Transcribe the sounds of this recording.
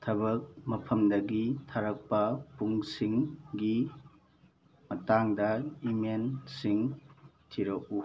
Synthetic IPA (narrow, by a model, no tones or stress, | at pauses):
tʰɐbɐk̚mɐpʰɐmdɐɡitʰaɾɐk̚pɐpuŋsiŋɡi | mɐtaŋdɐimensiŋtʰiɾɐu